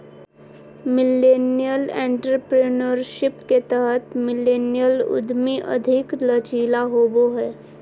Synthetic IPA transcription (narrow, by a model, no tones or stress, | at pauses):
mɪlenijəlḛ̃ɳʈɾəpɾinəɾʃɪpket̪əɦət̪mɪlenijəlʊ̰d̪ʱmiʔə̰d̪ʱiklət͡ʃiːlaɦoboɦɛ